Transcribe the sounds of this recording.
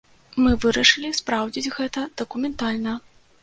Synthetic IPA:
mɨvɨɾɐʂɨlʲispɾawd͡zʲid͡zʲɣɛt̪ɐd̪̥ɐkumʲɛnt̪alʲnɐ

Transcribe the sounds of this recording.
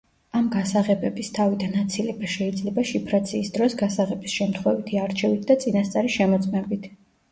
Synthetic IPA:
amɡasaʁɛbɛbist̪ʰavid̪anːat̪sʰilɛbaʃɛid̪zlɛbaʃipʰɾat̪sʰiːsd̪ɾɔsɡasaʁɛbisʃɛmt̪ʰχwɛvit̪ʰiaɾt͡ʃʰɛvit̪̚ʰd̪at̪sʼinast̪sʼaɾiʃɛmɔt̪sʼmɛbit̪ʰ

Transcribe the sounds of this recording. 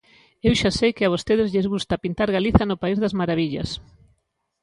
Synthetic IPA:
ewʃasejkɪaβ̞ost̪eðɪzʎezɣust̪ɐpint̪aɾɣaliθɐnʊpaizðɐzmaɾaβiʎɐ̰s

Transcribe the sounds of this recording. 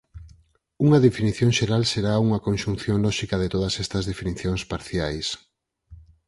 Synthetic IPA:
uŋɐðefiniθjõŋʃeɾalseɾauŋɐkonʃũn̟θjoŋlɔʃikɐð̞et̪oðɐsɛst̪ɐzðefiniθjoŋspaɾθjajs

